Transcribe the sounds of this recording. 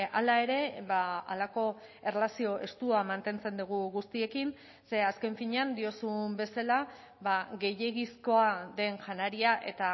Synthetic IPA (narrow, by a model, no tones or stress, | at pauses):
alae̞ɾe̞βaa̰lako̞e̞relasio̞ʔe̞st̪uamant̪e̞nt͡se̞nd̪uɣ̞uɣust̪ie̞kin | se̞aske̞ɱfiɲeand̪io̞sumbe̞sala | βaɣe̞je̞ɣisko̞aðe̞nʝanaɾiaʔe̞t̪a